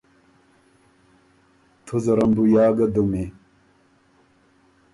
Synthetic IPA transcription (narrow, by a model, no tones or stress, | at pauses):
t̪ʰuzɐɾɐmbujaːɡɐd̪ume